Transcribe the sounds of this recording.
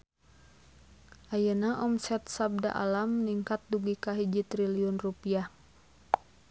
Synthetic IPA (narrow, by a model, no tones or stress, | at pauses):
ʔajənaʔɔmsɛt̪̚sab̚da̰ʔa̰lamniŋkat̪̚duɡikaɦid͡ʒit̪ɾiliɔnrupiah